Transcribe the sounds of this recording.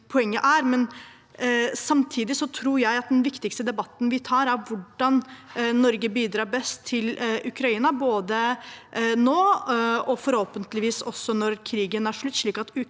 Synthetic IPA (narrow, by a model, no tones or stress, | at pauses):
pʰɔɛŋːəʔæɾmɛn | sɑmt̪ʰiːd̪ɪsɔt̪ʰɾuːɾjæɪɑt̪̚d̪ɛnʋɪkt̪ɪkst̪əd̪ɛbɑt̪ːənʋɪt̪ʰɑːɾæɾʋʊɖɑnnɔɾɡəbiːd̪ɾɑːɾbɛst̪ʰːɪlʉkɾɑiːnɑboːd̪ə | noːɔfɔɾhoːpənt̪lɪʋiːsɔsːɔnɔɾkʰɾiːɡənæʂɭʉt̪ːʂɭiːkɑt̪